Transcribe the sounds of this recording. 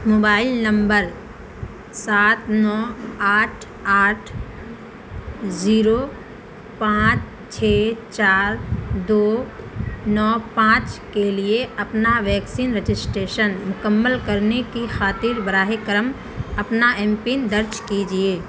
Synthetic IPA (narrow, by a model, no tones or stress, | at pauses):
moːbaːɪlnɐ̃mbəɾ | saːt̪nɔːaːʈʰ | aːʈʰ | ziːɾo | pãːt͡ʃ | t͡ʃʰeːt͡ʃaːɾd̪oː | nɔːpãːt͡ʃkelieɐpnaʋɛːksiːnɾed͡ʒɪsʈɾeːʃənmʊkəmːəlkɐɾnekixaːt̪iːɾbəɾaːɦikəɾəm | ɐpnaɛ̃mpind̪əɾt͡ʃkid͡ʒieː